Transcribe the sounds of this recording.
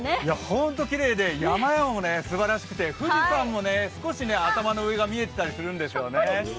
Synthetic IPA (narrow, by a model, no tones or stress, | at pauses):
jahõ̞nt̪o̞kʲiɾe̞ːd̪e̞jamajamamone̞sɨbaɾaɕi̥kɯ̟̥t̪e̞ɸɯ̟ʑisãmːo̞ne̞sɨ̥ko̞ɕine̞at̪amano̞ɯeɡamʲie̞t̪e̞t̪aɾʲisɨɾɯ̟̃nd̪e̞ɕo̞ːne